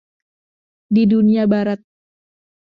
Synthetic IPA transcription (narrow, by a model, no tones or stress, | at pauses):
diduniabaɾat̪̚